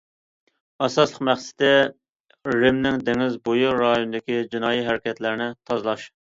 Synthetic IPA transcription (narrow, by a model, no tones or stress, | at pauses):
ɑsɑslˠəqmæχsɪ̥d̪ɪ | ɾɪmnɪŋd̪eŋɪzbojuɾɑjonɨd̪ɪkʲid͡ʒinɑːjiɦæɾɪkʲɛt̪læɾɪnɪt̪ʰɑzlˠɑʃ